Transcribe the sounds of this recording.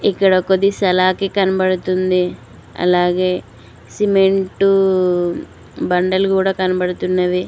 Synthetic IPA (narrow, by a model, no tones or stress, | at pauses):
ikːɐɽɐkod̪isɐlaːkːekɐnɐbɐɽut̪und̪i | ɐ̰laːɡeː | simeɳʈu | bɐɳɖɐlkuːɽakɐnɐbɐɽut̪unːɐʋe